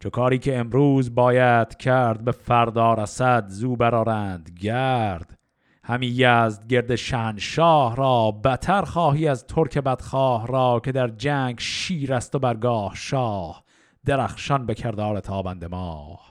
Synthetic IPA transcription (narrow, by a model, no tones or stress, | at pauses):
t͡ʃʰokʰɑːɾiːkʰe̞emɾuːzbɒːjæd̪̥kʰæɾd̪̚be̞fæɾd̪ɒːɾæsæd̪zuːbæɾɒːɾæːnd̪ɡæːɾd̪̥ | hæmiːjæsd̪̚ɡe̞ɾd̪eʃænʃɒːhɾɒːbæt̪ʰæɾχɒːɦiːæzt̪ʰoɾkʰe̞bæd̪̥χɑːhɾɒːkʰe̞d̪æɾd͡ʒæŋɡʃiːɾæst̪o̞bæɾɡɒːhʃɒːh | d̪̥eɾæχʃɒnbe̞kʲʰeɾd̪ɒːɾe̞t̪ʰɑːbænd̪e̞mɑːh